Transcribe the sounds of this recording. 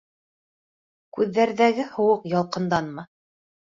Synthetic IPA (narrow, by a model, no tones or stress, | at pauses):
kʉðːæɾðæɡɘhŏwɤqjɑlˠqɤ̆nd̪ɑnmɤ